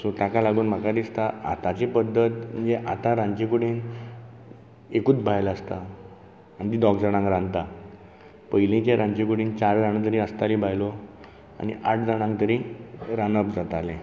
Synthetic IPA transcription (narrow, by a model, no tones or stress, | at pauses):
sot̪akalaɡuːnm̤akad̪ist̪aa̰t̪at͡ɕepəd̪ːət̪mm̤ənd͡zeʔat̪ãɾãɲt͡ɕikuɽiːn | ekuːt͡sbʱajləst̪aː | nit̪iːd̪ɔkd͡zəɽ̃ãŋɡɾãnt̪a | pəjlĩt͡ɕeɾãɲt͡ɕikuɽiːnt͡ɕaɾd͡zaɽ̃ət̪̬əɾiəst̪alibʱajlɔ | a̰nḭʔaʈʰd͡zəɽ̃ãŋt̪əɾiɾanəbd͡zat̪alẽ